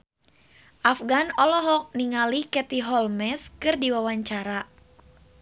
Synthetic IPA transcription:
ʔafɡanɔlɔɦɔk̚niŋalihkɛt̪iɦɔlmɛskɨrdiwawaɲt͡ʃaɾa

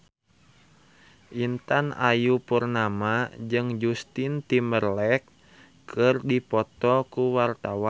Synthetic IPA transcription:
ʔint̪ana̰jupurnamad͡ʒɨŋd͡ʒust̪int̪imərlɛk | kʰɨrdipɔt̪ɔkuwart̪awa

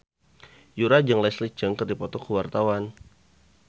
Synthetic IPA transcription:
juɾad͡ʒəŋlɛslit͡ʃəŋkərdipɔt̪ɔkəwart̪awan

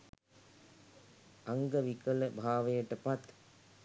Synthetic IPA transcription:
aŋɡəʋikələbʱaːʋejəʈəpat̪

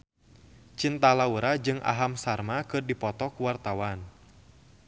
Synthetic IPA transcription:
t͡ʃint̪alauɾad͡ʒɨŋa̰ɦamsarmakɨrdipɔt̪ɔkuwart̪awan

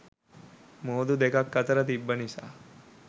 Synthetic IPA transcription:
moːd̪ud̪ekakːət̪əɾət̪ibːənisa̰

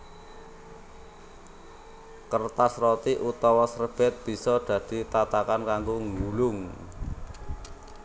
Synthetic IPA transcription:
kərt̪asrot̪iʔut̪ɔwɔsrəb̥ɛ̤t̪̚b̥i̤sɔɖ̪̥ä̤d̪̥i̤t̪at̪akankaŋɡoŋɡulʊŋ

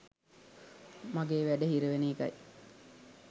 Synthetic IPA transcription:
maɡeːʋæɖəɦiɾəʋeniːka̰j

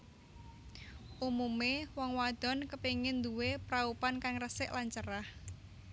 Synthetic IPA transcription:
ʔumumewɔŋwad̪̥ɔ̤nkəpiŋɪnd̪uwepɾaupankaŋrəsɪʔlaɲt͡ʃəɾah

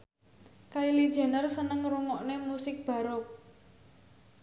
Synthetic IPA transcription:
kailid̥ʒ̥a̤nərsənəŋruŋɔʔnemusɪk̚b̥ä̤ɾɔk̚

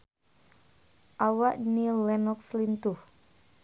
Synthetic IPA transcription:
ʔawaʔnilɛnɔk̚slint̪uh

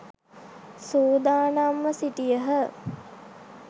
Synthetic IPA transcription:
suːd̪aːnamːəsitijəɦə

